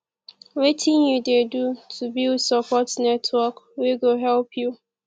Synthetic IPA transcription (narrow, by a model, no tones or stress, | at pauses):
wetʰɪ̃njudedutʰubildsɔpɔtnɛtʰwɔkwiɡoɦɛlpʰju